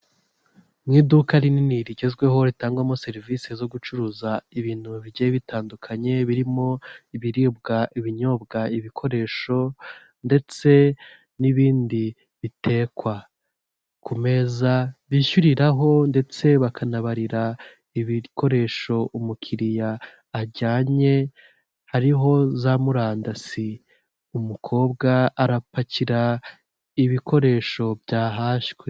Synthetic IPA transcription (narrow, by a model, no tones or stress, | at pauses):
mŋiːdukaɾininiɾiɟe̞zɡwe̞ɦo̞ɾitaːŋɡwamo̞se̞ɾivisezo̞ɡut͡ʃuɾuzaiβiːn̥huβiɟejeβitʰaːndukʰaɲe̞βiɾimo̞iβiɾib̚ɡaʔiβiɲo̞bɡaiβikʰo̞ɾe̞ːʃo̞ | nde̞t͡se̞ | niβiːndi | βitʰe̞ːkwa | kʰume̞zaβiʃuɾiɾaɦo̞nde̞t͡se̞βakʰanaβaɾiɾa | iβikʰo̞ɾe̞ːʃo̞ʔumukʰiɾijaː | ɟaːɲe̞ | haɾiɦo̞zamuɾaːndasi | umukʰo̞ːbɡaaɾapaciɾa | iβikʰo̞ɾe̞ːʃo̞bɟaːɦaːʃɡwe